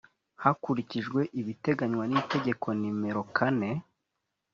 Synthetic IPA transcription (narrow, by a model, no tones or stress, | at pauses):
hakuɾiciʒɡwe̞ʔiβite̞ɡaɲwanite̞ɟe̞kʰo̞nime̞ɾo̞kʰane̞